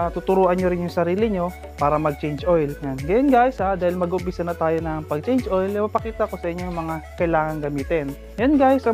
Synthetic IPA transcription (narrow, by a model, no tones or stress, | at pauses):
t̪ʊt̪ʊɾuːʔɐnɲoɾɪnjʊŋsɐɾiːlɪɲo̞ | paːɾɐmɐɡ̚t͡ʃɛjnd͡ʒojljanɡɐjonɡaːjɪshad̪aːhɪlmɐɡʊʔʊmpisɐnɐt̪aːjonɐŋpɐɡ̚t͡ʃɛjnd͡ʒʔo̞jlɪmɐpɐkiːt̪ɐko̞sɐʔɪɲoŋmɐŋakɐjlaːŋɐŋɡɐmiːt̪ɛn | janɡajɪsɐ